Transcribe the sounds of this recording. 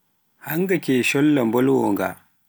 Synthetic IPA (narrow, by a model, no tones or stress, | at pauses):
haŋɡakeʃɔlːambɔlwɔŋɡa̰